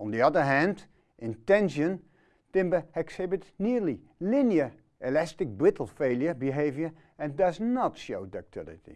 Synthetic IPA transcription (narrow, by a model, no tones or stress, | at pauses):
ɔndiɑdəɹɦɛ̃nt | ʔɪ̃ntɛ̃nsjən | tɪ̃mbəɛksɪbɪtniɹli | lɪnjə | ʔɪlɛstɪk̚bɹɪtl̩ˠfeːlˠjəbiɦeːvjə | ɛ̃ndʌznɔtʃoːdək̚tʰɪlɪ̰tḭ